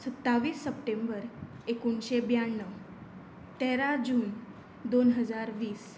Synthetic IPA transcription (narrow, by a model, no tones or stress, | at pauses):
sət̪ːaʋiːsːəp̚ʈembəɾ | ekuɳɕebjaɳːə | t̪eɾad͡ʑuːn | d̪onɦəd͡zaɾʋiːs